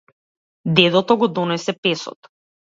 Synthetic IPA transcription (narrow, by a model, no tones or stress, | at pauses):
d̪ɛd̪ɔt̪ɔɡɔd̪ɔnɛsɛpɛsɔ̰t̪